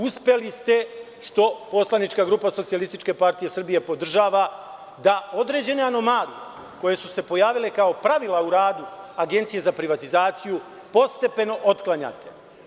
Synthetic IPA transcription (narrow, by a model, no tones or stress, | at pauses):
uspje̞list̪e̞ | ʃt̪o̞po̞slˠanit͡ʃkaɡɾuːpaso̞t̪ijalist̪it͡ʃke̞paɾt̪ije̞sr̩bije̞po̞d̪r̩ʒaːʋa | d̪ao̞d̪ɾe̞ːd͡ʑe̞neano̞maːlie | ko̞je̞suse̞po̞jaːʋile̞kao̞pɾaʋilˠauɾaːd̪uaɡe̞nt̪sije̞zapɾiʋat̪izaːt̪siju | po̞st̪e̞pe̞no̞ʔo̞t̪klˠaɲa̰t̪ʰe̞̥